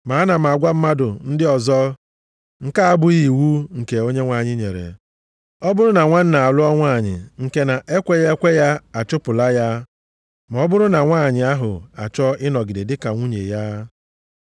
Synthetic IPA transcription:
ma˨a˦na˨m̩˨a˨ɡʷa˦m̩˦ma˦dʊ˨n̩˦dɪ˦ɔ˨zɔ˦ | ŋ̩˦ka˦a˦bʊ˦i˨wu˦ŋ̩˨ke˨o˦ɲe˦ŋʷa˨ɲɪ˦ɲḛ˨ɾḛ˨ | ɔ˦bʊ˦ɾʊ˦na˨ŋʷa˦n̩˦na˨a˨lʊ˦ɔ˦ŋʷa˦˨ɲɪ̰˨ŋ̩˨ke˦na˨ʔe˦kʷe˦je˦kʷe˦ja˦a˨t͡ʃʊ˦pʊ˨la˦ja˦ | ma˨ɔ˦bʊ˦ɾʊ˦na˨ŋʷaː˦˨ɲɪ˨a˦ɦʊ̰˨a̰˨t͡ʃɔ˦ɪ˦nɔ˨ɡɪ˨de˨dɪ˦ka˨ŋʷu˦ɲḛ˨ja˦

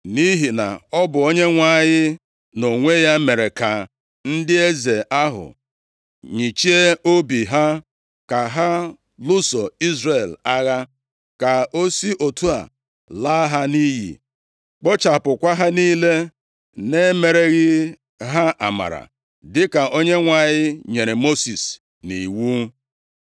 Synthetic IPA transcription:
ni˦ɦi˨na̰˨ɔ˦bʊ˨o˦ɲe˦ŋʷa˦˨ɲɪ˦ | no˨ŋʷe˦ja˦me˨ɾe˨ka˨ | n̩˦dɪ˦e˦ze˨ʔa˦ɦʊ̰˨ | ɲi˨t͡ʃi˦e˦o˦bi˨ɦa˦ | ka˨ɦa˦ | lʊ˦sɔ˨i˦zre˦˨la˦ɣa˦ | ka˨o˦si˦ʔo˨tu˦a̰˨ | la˦ɦa˦ni˦ɦḭ˨ | k͡pɔ˦t͡ʃa˨pʊ˨kʷa˦ɦa˦niː˦le˦ | ne˦me˨ɾe˨ɣɪ˦ | ɦa˦ʔa̰˨ma̰˨ɾa̰˨ | dɪ˦ka˨o˦ɲe˦ŋʷa˨ɲɪ˦ɲe˨ɾe˨mo˦si˨s | ni˨wu˦

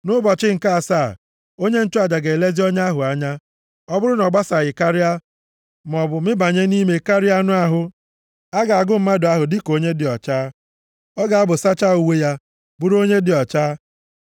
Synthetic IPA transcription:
nʊ˦bɔ˨t͡ʃɪ˦ŋ̩˨ka˦a˨saː˦˨ | o˦ɲe˦n̩˦tʊ˦a˨d͡ʒa˨ɡe˨le˦zi˦o˦ɲ˦a˦ɦʊ˨a˨ɲa˦ | ɔ˦bʊ˦ɾʊ˦nɔ˨ɡ͡ba˦sa˨jɪ˨ka˦ɾɪ˦a˦ | m˨ɔ˨bʊ˨mɪ˦ba˨ɲe˦ni˦me˨ka˦ɾɪ˦a˦nʊ˦a˦ɦʊ˨ | a˦ɡa˨a˨ɡʊ˦m̩˦ma˦dʊ˨a˦ɦʊ˨dɪ˦ko˦ɲe˦dɪ˨ɔ˨t͡ʃaː˦ | ɔ˦ɡa˨a˦bʊ˨sa˦t͡ʃa˦˨u˨we˦ja˦ | bʊ˦ɾo˦ɲe˦dɪ˨ɔ˨t͡ʃaː˦

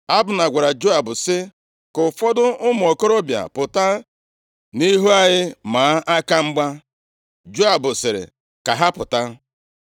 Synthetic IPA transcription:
a˦bʊ˨na˨ɡʷa˨ɾa˨d͡ʒo˦a˨bʊ˨sɪ˦ | kʊ˨fɔ˦dʊ˦ʊ˦m˨ɔ˨kɔ˦ɾɔ˦bja̰˨pʊ˨ta˦ | ni˦ɦu˦a˦ɲɪ˦ma˨˦ʔa˦ka˦ŋ͡m̩˦ɡ͡ba˦ | d͡ʒo˦a˨bʊ˨sɪ˨ɾɪ̰˨ | ka˨ɦa˦pʊ˨ta˦

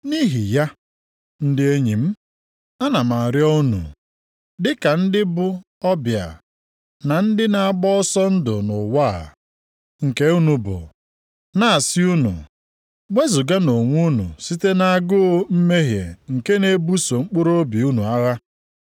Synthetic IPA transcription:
ni˦ɦi˨ja˦ | n̩˦dɪ˦e˦ɲi˨m̩˦ | a˦na˨ma˨ɾjɔ˦u˦nṵ˨ | dɪ˦ka˨n̩˦dɪ˦bʊ˦ | ɔ˦bja̰˨ | na˨n̩˦dɪ˦na˨a˨ɡ͡bɔ˦ɔ˦sɔ˦n̩˦dʊ̰˨nʊ˨wa˦˨ | ŋ̩˨ke˦u˦nu˨bʊ̰˨ | na˦a˨sɪ˦u˦nṵ˨ | me˦zʊ˨ɡa˦no˨ŋʷu˦nṵ˨si˦te˦na˨a˨ɡʊ˦m̩˦me˦ɦjḛ˨ŋ̩˨ke˦ne˦bu˦so˨ŋ͡m̩˦k͡pʊ˦ɾo˦bi˨u˦nu˨a˦ɣa˦

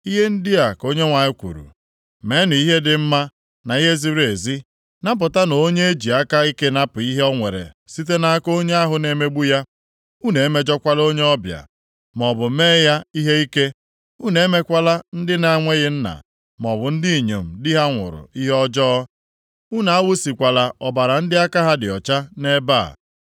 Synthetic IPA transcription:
i˦ɦe˦n̩˦dɪ˦a˨ko˦ɲe˦ŋʷa˨ɲɪ˦kʷṵ˨ɾṵ˨ | me˨˦nʊ˨i˦ɦe˦dɪ˨m̩˦ma˦ | na˨i˦ɦe˦zi˦ɾe˨zi˦ | na˦p̬ʊ˨ta˦no˨o˦ɲe˦e˦d͡ʒi˨a˦ka˦i˦ke˦na˦pʊ˨i˦ɦe˦ɔ˦ŋʷe˨ɾḛ˨ | si˦t̬e˦na˨˦ko˦ɲe˦a˦ɦʊ˨ne˨me˦ɡ͡bu˦ja˦ | u˦ne˨e˦me˦d͡ʒɔ˦kʷa˦lo˦ɲe˦ɔ˦bja̰˨ | m˨ɔ˨bʊ˨˦meː˦ja˦i˦ɦe˦i˦ke˦ | u˦ne˨e˦me˦kʷa˦la˦n̩˦dɪ˦na˨˦ŋʷe˦ɣɪ˦n̩˦na̰˨ | m˨ɔ˨bʊ˨n̩˦di˦i˨ɲo˨m̩˨dɪ˦ɦa˦ŋʷʊ̰˨ɾʊ̰˨i˦ɦe˦ɔ˦d͡ʒɔ˦ɔ˦ | u˦na˨a˦wu˦si˨kʷa˨la˨ʔɔ˨ba˨ɾa˨n̩˦dɪ˦a˦ka˦ɦa˦dɪ˨ɔ˨t͡ʃa˦ne˦ba̰˦˨

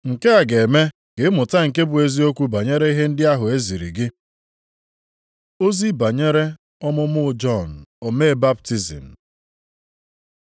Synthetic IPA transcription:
ŋ̩˨ke˦a˨ɡe˨me˦ | ɡ̥e˨˦mʊ˨ta˦ŋ̩˨ke˦bʊ˨e˦zi˦o˦kʷu˦ba˨ɲe˦ɾe˦i˦ɦe˦n̩˦dɪ˦a˦ɦʊ˨e˦zi˨ɾḭ˨ɡɪ˦ | o˦zi˦ba˨ɲe˦ɾe˦ | ɔ˦mʊ˦m̩˦ʊ˦ʊ˦d͡ʒɔ˦˨n̩˨o˨me˦e˦ba˦p̚ti˦zḭ˨m̩˨

